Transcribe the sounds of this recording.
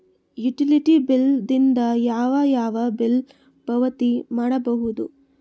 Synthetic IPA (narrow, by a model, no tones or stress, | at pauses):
juʈiliʈibild̪ind̪ɐjaːʋɐjaːʋɐbil | b̥ɐʋɐt̪imaːɽɐbɐɦud̪u